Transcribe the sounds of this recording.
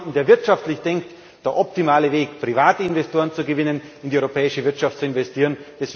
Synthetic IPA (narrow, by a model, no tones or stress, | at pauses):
ndeːɐvɪɐtʃaftlɪçd̥ɛŋkt | d̥eːɐʔɔptimaːləveːkpʁ̥ivaːtəɪnvɛstoːɐʁənt͡suɡəvɪnənɪndiʔɔʏʁopʰɛːɪʃəvɪɐtʃaftt͡suɪnvɛstʰiːʁ̞ənd̥ɛs